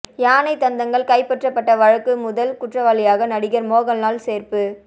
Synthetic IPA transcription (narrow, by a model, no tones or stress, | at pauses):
jaːnɐɪt̪ːɐnd̪ɐŋɡɐɭkɐɪpːɛʈrɐpːɐʈːɐʋɐɻɐkːɯmʊðɐlkʊʈrɐʋaːlɪjaːɣɐnɐɽɪɣɐɾmoːɣɐlnaːlseːrpɯ